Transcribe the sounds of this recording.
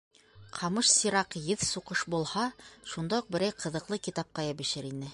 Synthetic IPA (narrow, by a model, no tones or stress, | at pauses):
qʰɑmɤʃsiɾɑqjɘðsuqɤʃbulˠhɑʃund̪ɑuq̚bɘ̆ɾæjqʰɤ̆ðɤ̆qlˠɤkit̪ɑp̚qɑjɑbɘ̆ʃɘɾinɘ